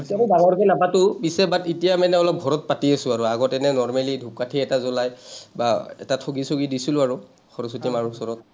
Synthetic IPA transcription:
tiamɔbaŋɔɹkɔlabatʊbisɛbatitijamɛnɛɔlɔp̚ɡʱɔɹɔt̚patiasʊ̃aɹuaɡɔtɛnɛnɔɹmalidʱup̚katʰiɛtazɔlajbaɛ̰tatʰoɡisoɡidisilʊaɹu | xɔɹɔs̬utimaɹusɔɹɔt̚

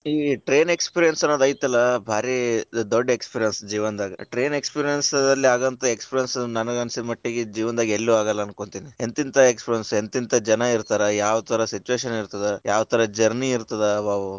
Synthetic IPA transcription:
iʈɾe̞ːne̞kspiɾijɐnsɐnoːd̪ɐːjt̪ɐlːɐbʱaːɾid̪oɖːekspiɾijɐnsd͡ʒiːʋɐnd̪aːɡɐʈɾe̞ːne̞kspiɾijɐnsd̪ɐlːiaːɡɐnt̪ɐekspiɾijɐnsnɐnɐɡɐnsid̪ɐmɐʈːiɡed͡ʒiːʋɐnd̪aːɡielːuaːɡɐlːɐɐːnko̞ɳt̪inient̪int̪ʰɐekspiɾijɐnsent̪int̪ʰɐd͡ʒɐnɐiɾt̪aːɾɐjaːʋɐt̪ʰɐɾɐsit͡ʃuʋeːʃɐniɾt̪ɐd̪ejaːʋɐt̪ʰɐɾɐd͡ʒɐɾniːɾt̪ɐd̪ebaːʋu

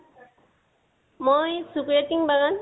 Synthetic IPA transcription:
mojsukɹetiŋbaɡan

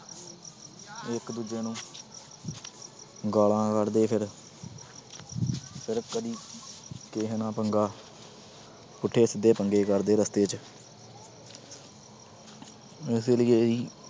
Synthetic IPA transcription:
ɪkd̪uːd͡ʒeːnũː | ɡaːlãːkəɾd̪eːpʰɪɾ | pʰɪɾkəd̪iːkeːɦnãːpəŋɡaː | pʊʈʰːeːsɪd̪ːeːpəŋɡeːkəɾd̪eːɾəst̪eːt͡ʃ | ɪseːləeːiː

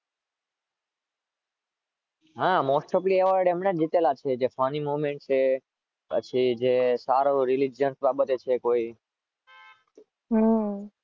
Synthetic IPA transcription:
ɦãmosʈɔplieʋəɾɖemɳed͡ʒit̪elat͡ʃʰed͡ʒefanimuʋmẽɳʈ̚t͡ʃʰe | pə̰t͡ʃʰid͡ʒesaɾoɾilid͡ʒənsbabət̪et͡ʃʰekoi | ɦ

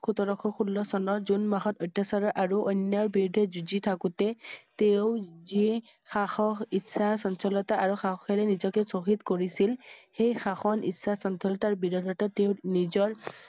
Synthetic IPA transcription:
kʰutɔɹɔkʰɔxʰulːɔsɔnɔzunmaxɔtɔjtːasaɹɔʔaɹuʔɔnːjaɹbiɹdʱɛzuzitʰakutɛteʊzi | xaxɔitsasɔnsɔlɔtaʔaɹuxaxɔkɛɹɛnizɔkɛsoxitkoɹisilxejxaxɔnḭsasɔnsɔlɔtaɹbiɹɔdʱɔtateʊnizɔɹ

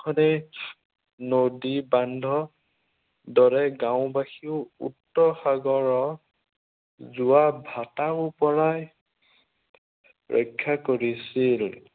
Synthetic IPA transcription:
kʰɔnɛ | nodibandʱɔ | dɔɹɛɡãw̃baxiʊṵtːɔxaɡɔɹɔ | zuabʱataupɔɹaj | ɹʔɔ̰kʰːakoɹisil

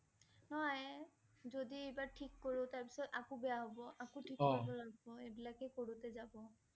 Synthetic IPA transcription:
nj | zodiejbaɹʈʰikːoɹʊ̃taɹpi̥sɔtakubejaɦobɔʔakuʈʰikbɔlabɔebilakɛkoɹutɛzabɔ

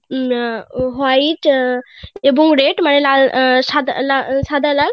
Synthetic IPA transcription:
ɦait | ebuŋɡɾeʈmanelalsad̪̰lasad̪ʱalal

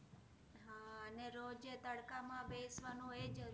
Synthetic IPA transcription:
ɦaːəneːɾoːd͡ʒeːt̪əɽkaːmãːbeːsʋaːnõːeːd͡ʒ

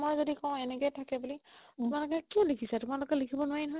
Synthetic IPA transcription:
mojzodikɔ̃ʊ̃ɛnɛkɔjtʰakɛbulitʊmalʊkɛkiɔ̃likʰisɛtʊmalʊkɛlikʰibɔnʊwajnɔɦɔj

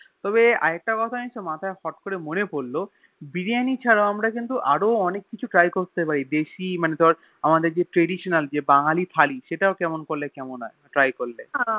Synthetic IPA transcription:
t̪ɔbea̰ɛk̚ʈakɔt̪ʰaĩʃomat̪ʰaehɔʈkoɾemonepoɾːo | biɾianit͡ɕʰaɾaoamɾakint̪̬uʔaɾoɔnekːit͡ɕʰuʈɾajkoɾt̪ep̬aɾid̪eʃimanet̪oaɾ | amad̪eɾd͡ʑeʈɾeɖiʃonald͡ʑebaŋalifʰaliʃeʈaokɛmonkolːekɛmonɔeʈɾajkoɾlẽ

